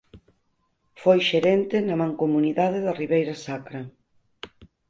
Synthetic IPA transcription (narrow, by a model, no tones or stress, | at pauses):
fojʃeɾɛnt̪ɪnɐmãŋkomuniðaðɪðɐriβejɾɐsakɾɐ